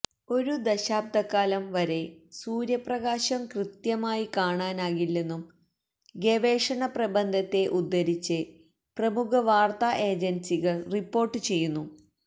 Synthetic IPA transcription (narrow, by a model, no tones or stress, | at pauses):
o̞ɾud̪ɐɕaːb̚d̪ʱɐkːaːlɐmʋɐɾe̞suːɾjɐprɐɣaːɕɐmkrɨt̪jɐmaːjikaːɳaːnaːɣilːe̞nːum | ɡeʋe̞ːʂɐɳɐprɐbɐnd̪ʱɐt̪ːe̞ʔud̪ːɐɾit͡ɕːɨ | prɐmukʰɐʋaːrt̪aːʔe̞ːd͡ʑensiɣɐɭripːo̞ːrʈːɨt͡ɕe̞jːunːu